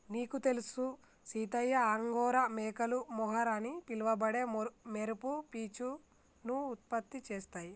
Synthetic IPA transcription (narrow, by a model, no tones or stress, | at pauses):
niːkut̪e̞lusu | siːt̪ɐjːɐaŋɡɔːɾɐmɛːkɐlumɔɦɐɾɐnipilʋɐbɐɽe̞meɾupupiːt͡ʃu | nuːt̪̚pɐt̪ːit͡ʃeːst̪aːji